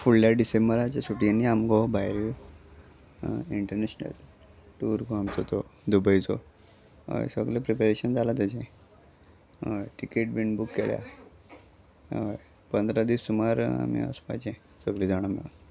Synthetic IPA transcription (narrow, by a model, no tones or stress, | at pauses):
fuɭljaɖisembəɾat͡ɕasuʈianːiamɡɔbʱajɾi | iɳʈəɾneɕnə̰l | ʈuːɾɡoamt͡sɔt̪ɔd̪ubəit͡sɔ | o̰jsəɡlepɾepeɾeɕənd͡zalat̪ad͡ʑẽ | əjʈikeʈ̚biɳbukːelja̰ | oj | pənd̪ɾad̪isːumaɾa̰mḭə̰spa̰t͡ɕẽ | səɡled͡zaɽ̃amḭla